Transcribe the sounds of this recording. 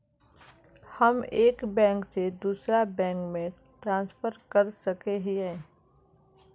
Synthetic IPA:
həmeːkbɛ̃ːŋksed̪uːsɾabɛ̃ːŋkmẽ | ʈɾãːnspʰəɾkəɾsəkeɦiɦɛ̃ː

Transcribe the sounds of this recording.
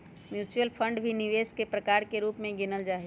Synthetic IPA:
mjuːt͡ʃuəlpʰə̃ɳɖbʱiniʋeːskepɾəkaːɾkeɾuːpmẽɡɪnəld͡ʒaːɦi

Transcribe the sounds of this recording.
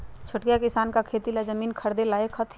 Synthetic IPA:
t͡ʃʰʊʈkijakɪsaːnkakʰeːt̪ilazəmiːnkʰəɾd̪elaːjekʰɦət̪ʰ

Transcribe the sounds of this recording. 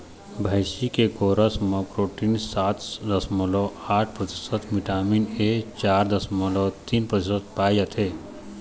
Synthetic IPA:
bʱəjsikekoːɾəsməpɾoːʈinsaːt̪d̪ɐsmɔlɔaːʈʰpɾət̪i̥sət̪ʰmiʈaːminet͡ʃaːɾd̪ɐsməlɔt̪inpɾət̪isət̪̚paːjjət̪ʰe

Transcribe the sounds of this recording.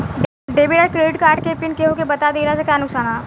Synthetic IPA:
ɖ | ɖeːbiɖaɾkɾeːɖɪʈkaːɾʈkepɪnkeɦõkebɐt̪ad̪eːɾasakjaːnʊksaːnɦaː

